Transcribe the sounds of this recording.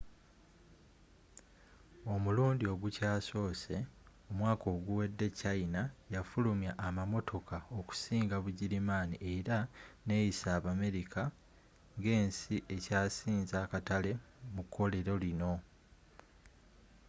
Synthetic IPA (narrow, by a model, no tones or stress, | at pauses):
o̞muluːndio̞ɡucaːso̞ːse̞ | omwaːkʰo̞ːɡuwe̞dːe̞cainajafulumjaʔːmamo̞tʰo̞kʰaoku̥siːŋɡaβuɟiɾimaːniʔe̞ɾane̞jisaːβame̞ɾikʰa | ŋɡe̞ːnsiʔe̞caːsiːnzaːkatale̞ | mukʰːo̞le̞ɾo̞lino̞